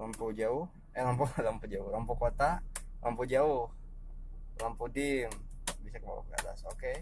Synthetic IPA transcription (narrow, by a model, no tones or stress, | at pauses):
lampud͡ʒaʊh | ɛlampulampud͡ʒaʊhlampukot̪a | lʔampud͡ʒaʊh | lampudɪŋ | bisakəba̰wa̰kka̰da̰soke